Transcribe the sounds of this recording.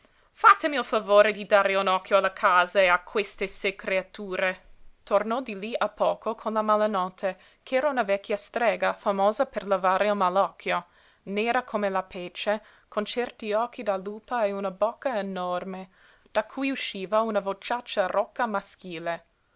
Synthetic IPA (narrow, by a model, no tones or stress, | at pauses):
fat̪ːemilfavoːɾed̪id̪aːɾeunɔkːjoalakʰaːzaeakʰwest̪esekɾeat̪uːɾet̪ornɔd̪iliapːɔːkʰokʰonlamalanɔt̪ʰːe | kɛːɾaunavɛkʰːjast̪ɾɛːɡafamoːzaperlavaːɾeilmalɔkʰːjo | neːɾakʰomelapeːt͡ʃe | kʰont͡ʃɛrt̪iɔːk̟ːid̪aluːpaeunabɔkːaenɔrme | d̪̥akʰːujuʃːiːvaunavot͡ʃːat͡ʃːarʔɔkːamask̟iːle